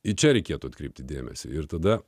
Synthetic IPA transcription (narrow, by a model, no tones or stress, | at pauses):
ɪt͡ʃʲɛɾʲɛɪkʲeːɛt̪uɐt̪kɾʲɛɪp̚ʲt̪ʲɪd̪ʲeːmʲɛ̰sʲɪ̰ɪɾt̪ɐd̪ɐ